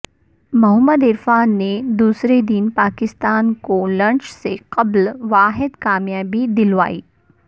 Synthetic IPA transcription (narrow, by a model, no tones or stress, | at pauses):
mɐɦəmːəd̪ɪɾfaːnːed̪uːsɾed̪inpaːkɪst̪aːnkolɐ̃nt͡ʃseqɐblʋaːɦɪd̪kaːmjaːbid̪ɪlʋa̰ːiː